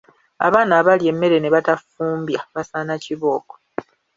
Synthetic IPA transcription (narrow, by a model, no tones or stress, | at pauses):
a̰βaːnaːβalje̞mːe̞ɾe̞ne̞βatafuːmbjaβasaːnaciβo̞ːko̥